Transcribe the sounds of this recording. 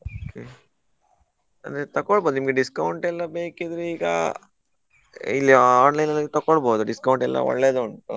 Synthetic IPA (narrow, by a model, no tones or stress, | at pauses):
okʰe | ɐnd̪ɾet̪ɐkoɭboːd̪unimɐɡeɖiskɐwɳʈɛlːɐbeːkid̪ɾuiːɡɐ̰ | ilːiaːnlɐjnɐlːit̪ɐkoɭboːd̪uɖiskɐwuɳʈɛlːɐ̰ɔ̰ɭːed̪uuɳʈu